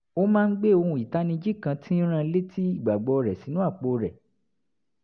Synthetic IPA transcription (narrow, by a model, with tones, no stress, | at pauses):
o˦mãː˦n̩˦ɡ͡be˦˨o˧hũ˧˨i˨ta˨˦nĩ˧d͡ʒi˦kã˧tʰĩ˦ɾ̃ã˦˧˦le˦ti˦i˦˨ɡ͡ba˨ɡ͡bɔ˧ɾɛ˨si˨˦nũ˦a˦˨k͡po˧ɾɛ˨